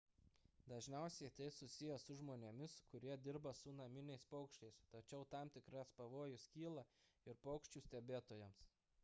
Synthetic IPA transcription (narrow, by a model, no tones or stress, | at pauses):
d̪ɐʒʲnʲɛˑʊsʲɛɪt̪ɐɪsʊsʲɪjɛsʊʒmoːnʲemʲɪskʊɾʲiɛd̪ʲɪɾbɐsʊnɐmʲɪnʲɛɪspɔʊkʃʲt͡ʃʲɛɪst̪ɐt͡ʃʲɛʊt̪ɑˑmt̪ʲɪkɾɐspɐʋoːjʊskʲiːlˠɐɪɾpɒʊkʃʲt͡ʃʲuːsʲt̪ʲɛbʲeːt̪oːjɛms